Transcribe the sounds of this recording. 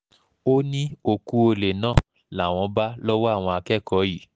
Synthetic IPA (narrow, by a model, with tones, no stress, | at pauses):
o˦nĩ˦o˧ku˦o˧le˨nãː˦˨ | la˨w̃ɔ̃˧ba˦lɔ˦wɔ˦a˦˨w̃ɔ̃˧a˧kɛ˦kɔ˨˦ji˦˨